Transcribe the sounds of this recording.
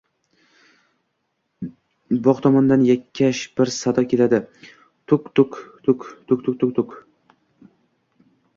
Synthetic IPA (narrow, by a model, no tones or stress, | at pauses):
bɒqt̪ʰɒmɒnd̪anjakʲʰːaʃbɪɾsad̪ɒkʲʰelad̪ɪ | t̪ʰʊkt̪ʊkt̪ʰʊkt̪ʰʊk̚t̪ʊk̚t̪ʰʊk̚t̪ʰʊk